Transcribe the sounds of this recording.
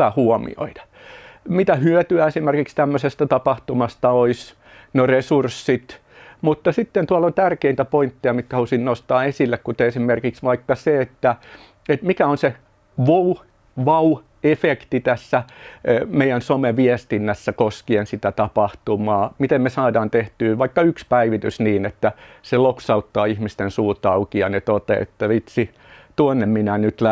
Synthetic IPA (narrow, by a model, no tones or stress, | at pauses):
æhuɔmḭo̰it̪ɑ̥ | mit̪æhyøt̪yæesimerkikst̪æmːøsest̪æt̪ɑpɑht̪umɑst̪ɑois | noresursːit̪ | mut̪ːɑsit̪ːent̪uɑlont̪ærkeint̪æpoint̪ːiɑmit̪kæhɑlusinnost̪ɑːesilːekkut̪eesimerkiksʋɑikːɑseet̪ːæ | et̪mikæonse | ʋou | ʋɑu | efekt̪it̪æsːæ | meijænsomeʋiest̪inːæsːækoskiensit̪æt̪ɑpɑht̪umɑːmit̪emmesɑːdɑːnt̪eht̪yːʋɑikːɑykspæiʋit̪ysniːnet̪ːæseloksɑut̪ːɑːihmist̪ensuːt̪ɑukiɑnet̪ot̪ḛḛt̪ːæʋit̪si | t̪uonːemminænyt̪læ